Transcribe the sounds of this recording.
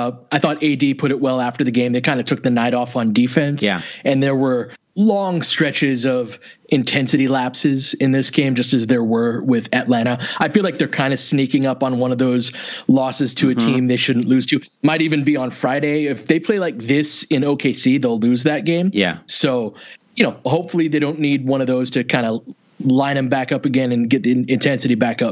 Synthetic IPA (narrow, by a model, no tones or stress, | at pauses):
aɪθɔɾeɪdipʰʊɾɨt̚wɛlˠæftə˞ðɨɡẽɪ̃mðeɪkʰãɪ̃ndɨtʰʊk̚ðɨnaɪɾɔfn̩difɛ̃nsæ̰ɨ̃nðə˞wə˞ | lɔ̃ŋstɹ̥ɛt͡ʃɪzʌv | ʔɨ̃ntʰɛ̃nsɨɾilæpsɪzɨ̃nðɪsɡ̥ẽɪ̃md͡ʒʌstɨzðə˞wə˞wɪðɨtˡlæɾ̃əaɪfilaɪk̚ðə˞kʰãɪ̃ndɨsnikɪ̃ŋʌpn̩wʌ̃nʌvðoʊzlɔsɨz̥tʰɨɨtʰĩmðeɪʃʊdⁿn̩ʔlʉz̥tʰʉ | maɪɾivɨ̃nbiə̃nfɹaɪɾeɪɪfðeɪpʰl̥eɪlaɪk̚ðɪsɨ̃noʊkʰeɪsiðeɪlʉzðɨt̚ɡ̥ẽɪ̃mjæ̰soʊjɨnoʊhoʊpfl̩ˠiðeɪɾõʊ̃nːid̚wʌ̃ñʌvðoʊz̥tʰɨkʰãɪ̃ndə | lãɪ̃nðɨ̃mbækʌpɨɡɛ̃nɨ̃nɡɛt̪̚ðiɨ̃ntʰɛ̃nsɨɾibækʌp̚